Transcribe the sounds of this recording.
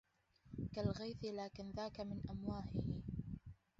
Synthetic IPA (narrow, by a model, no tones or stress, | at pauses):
kalɣajθɪlaːkɪnðaːkamɪnʔamwaːʔɪh